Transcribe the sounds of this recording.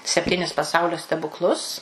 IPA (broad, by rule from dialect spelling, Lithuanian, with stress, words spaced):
sʲɛpʲˈtʲiːnʲɪs pɐˈsɐʊlʲoː sʲtʲɛbʊkˈlˠʊs